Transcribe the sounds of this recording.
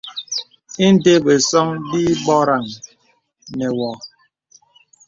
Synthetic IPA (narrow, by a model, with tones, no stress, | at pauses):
i˦n̩˦de˦ɓe˨sɔ˦ŋdi˦ɓɔ˦ɾa˨ŋ | nɛ˨wɔ˨